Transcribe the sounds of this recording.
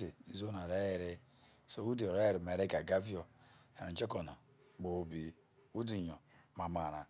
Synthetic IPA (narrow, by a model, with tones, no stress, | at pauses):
e˨i˨zo˦na˨ɾe˦je˨ɾi˦ | so˨˦u˦di˨ɾe˦je˨ɾi˨me˨ɾe˦ɡa˨ɡa˦vi˦o˨ḛ˨i˨nd͡ʒe˦ko˨na̰˨ | k͡po˨o˦bi˨˦ | u˦di˨ɲo˨ma˨ma˨ɾa˨